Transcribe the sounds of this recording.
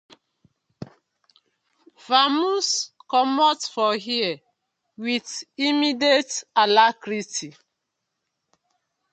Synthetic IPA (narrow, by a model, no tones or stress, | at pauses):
famuskɔmɔtfɔhiɛ | witimidetalakɹiti